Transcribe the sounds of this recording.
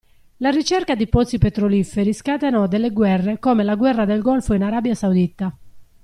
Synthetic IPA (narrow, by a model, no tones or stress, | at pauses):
larit͡ʃɛrkad̪ipɔt̪sipet̪ɾolifeɾiskat̪enɔd̪elːeɡwɛrːekoːmelaɡwɛrːad̪elɡɔlfoinaɾabjasawd̪it̪ːa